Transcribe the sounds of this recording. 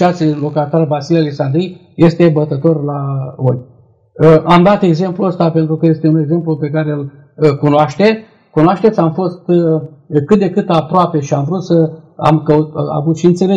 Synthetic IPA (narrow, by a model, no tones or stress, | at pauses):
at̪sʲlo̞kat̪arvasilaleksand̪ɾi | je̞st̪e̞bət̪ət̪o̞rlaojʲ | əʔamd̪at̪e̞ɡze̞mpluəst̪ape̞nt̪ɾukəje̞st̪eune̞ɡze̞mplupe̞kaɾel | kunoaʃt̪e̞ | kunoaʃt̪e̞t̪sʲamfo̞st̪ | kɨt̪̚d̪e̞kɨt̪apɾoape̞ʃiamvɾut̪səa̰mkəut̪a̰vut̪ʃiɨnt̪se̞le